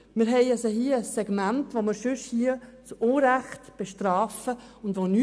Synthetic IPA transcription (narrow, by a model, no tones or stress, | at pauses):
mɪɾɦɛɪasəhiəəsːɛɡ̥mæntʋomɪɾʃʉʃhiət͡soːɾæχtb̥eʃtɾaːfəʊndʋony